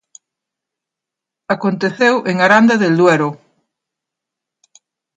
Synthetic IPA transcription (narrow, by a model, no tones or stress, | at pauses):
akont̪eθewʔeŋaɾand̪aðeld̪weɾʊ